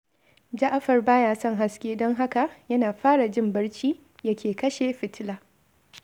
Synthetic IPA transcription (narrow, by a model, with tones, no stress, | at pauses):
d͡ʒɐ˦ʔa˦ɸɐ˨rbaː˦jaː˦sɔ˦˨ŋɦa˦skʲeː˦dɔ˦ŋɦa˦ka˨jɐ˦naː˨ɸaː˦ɽa˨d͡ʒɪ˦mbɐ˦ɽt͡ʃiː˦ | jɐ˦kʲeː˨kɐ˦ʃe˨ɸɪ˨tɪ˦laː˦